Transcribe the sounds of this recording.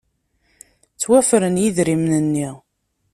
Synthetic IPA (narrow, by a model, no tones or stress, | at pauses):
t͡sːwæfɾənjiðɾimnənːi